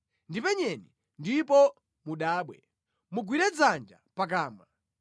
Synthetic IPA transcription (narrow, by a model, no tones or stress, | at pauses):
ndipɛɲɛni | ndipɔ | muɗaːɓwɛ | muɡwiɾɛd͡zand͡ʒa̰pak̬aːma